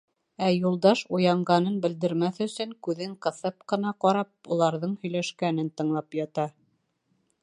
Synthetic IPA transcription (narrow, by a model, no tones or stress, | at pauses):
æjulˠd̪ɑʃujɑɴɢɑnɤnbɘ̆ld̪ɘ̆ɾmæθɵ̆sɵŋkʉðɘɴqɤ̆θɤpqɤ̆nɑqɒɾɑp̚ulˠɑɾðɤɴhɵ̆jlæʃkæn̪ɘnt̪ɤ̆ɴlˠɑpjɑt̪ɑ